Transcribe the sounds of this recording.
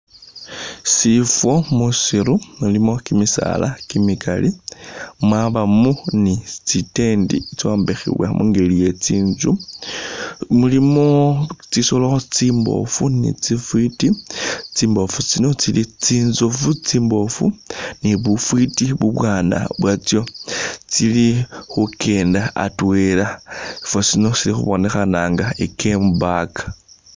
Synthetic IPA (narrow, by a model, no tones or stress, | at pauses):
sifwo̞musiɾumulimo̞kimisa̰la̰kimikalʔi | mwaβamunit͡site̞ndḭt͡soːmbexḭβwa̰muŋɡelijet͡siːnzu | mulimot͡sisoloot͡simbo̞̰funḭt͡sifwitit͡siːmbo̞fut͡sino̞t͡silit͡sinzofut͡siːmbo̞funiβufwitiβuβwaːna̰βwat͡sjo̞t͡silixuke̞ːndaa̰twelasi̥fosino̞silixṵβone̞xanaːŋɡaekʰembakḁ